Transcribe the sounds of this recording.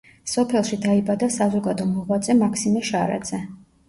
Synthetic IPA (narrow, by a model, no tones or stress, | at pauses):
sɔpʰɛlˠʃid̪aibad̪asazɔɡad̪ɔmɔʁwad̪zɛmakʰsimɛʃaɾa̰d̪z̥ɛ